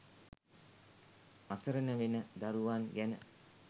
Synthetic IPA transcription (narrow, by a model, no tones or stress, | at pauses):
asəɾənəʋenəd̪aɾuʋanɡænə̰